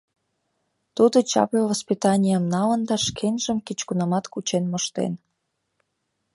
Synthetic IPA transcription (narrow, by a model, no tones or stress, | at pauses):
t̪ud̪ot͡ɕɑ̰povəspit̪ɑnʲijəmnɑlə̆nd̪ɑʃkʰenʲʒəmket͡ɕkunɑmɑt̪kut͡ɕenmoʃt̪ḛn